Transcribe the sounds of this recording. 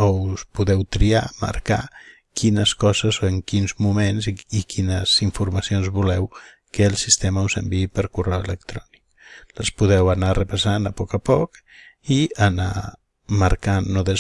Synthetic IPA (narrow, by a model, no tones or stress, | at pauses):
ouspuðɛwt̪ɾiamə̰ɾka | kʰinəskɔzəzoeŋkinzmumenziikʰinəz̥iɱfuɾmasionzβulɛw | kəːlˠsist̪eməuzəmbiipəɾkurɛwelək̚t̪ɾɔnik | ləspuðɛwanarəpasanəpɔkəpɔk | iəna̰ | maɾkanːoðəz